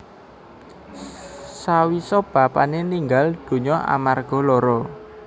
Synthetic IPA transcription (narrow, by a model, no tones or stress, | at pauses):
sawisɔb̥a̤paneniŋɡald̪̥o̤ɲɔʔa̰marɡ̥ɔ̤lɔɾɔ